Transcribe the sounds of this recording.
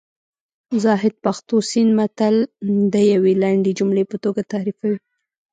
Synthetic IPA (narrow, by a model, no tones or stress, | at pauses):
zɑɦɪd̪̚paxt̪osinmat̪ald̪əjawelaɳɖed͡ʒumlepət̪oɡat̪aɾifawi